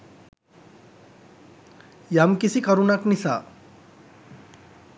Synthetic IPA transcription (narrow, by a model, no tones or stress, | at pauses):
jamkisikəɾunaknisa̰